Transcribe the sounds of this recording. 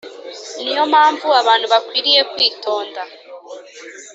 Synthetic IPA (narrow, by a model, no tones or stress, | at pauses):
nijo̞mhaːɱvuaβaːn̥huβakwiːɾije̞kwiːto̞ːnda